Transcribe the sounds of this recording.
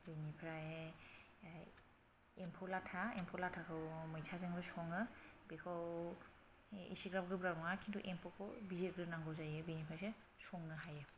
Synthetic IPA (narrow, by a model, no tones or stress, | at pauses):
binipʰɾae | empʰɔlatʰaempʰɔlatʰakʰɯwmɔjtʰazeŋbɯsɔŋɯbekʰɔw | ḭsiɡɾam̚ɡɯbɾaɾɔŋakʰintʰuʔempʰɔkʰɔwbizet̚ɡɯnaŋɡɔzajɯbinipʰɾajse | sɔŋnɯɦajɯ